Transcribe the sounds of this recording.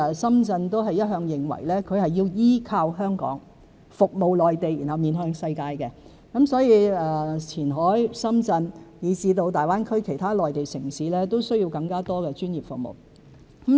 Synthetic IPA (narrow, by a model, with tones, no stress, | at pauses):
sɐ˥mt͡sɐ˧nt̪o˥wɦɐ˨˩jːɐ˥t̚ɦœː˧ŋjɪ˨ŋwɐ̰˨˩jlɛː˥kʰɵ˨˧ɥhɐ˨jːiː˧wjiː˥kʰaː˧wɦœː˥ŋkɔ̰ː˨˥ŋ | fʊ˨k̚mo˨wlɔː˨jt̪e˨ji˨˩nɦɐ˨˧wmiː˨˧nɦœː˧ŋsɐ˧jkaː˧jkɛ˧ | kɐ˨˥msɔː˨˥jiː˨˧ɛː˨t͡sʰiː˨˩nɦɔː˨˥jsɐ˥mt͡sɐ˧njiː˨˧t͡siː˧t̪o˧wt̪aː˨jwaː˥nkʰɵ˥ɥkʰe˨˩jt̪ʰaː˥lɔː˨jt̪e˨jsɪ˨˩ŋsiː˨˥lɛː˥t̪o˥wsɵ˥ɥji˧wkɐ˧ŋkaː˥t̪ɔː˥kɛː˧t͡ʃyː˥njiː˨˩pfʊ˨k̚mo̰˨w | k